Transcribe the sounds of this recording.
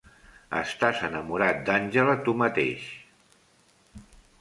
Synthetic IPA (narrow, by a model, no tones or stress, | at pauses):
ə̰st̪azənəmuɾat̪̚d̪anʲʒələt̪umət̪ḛʃ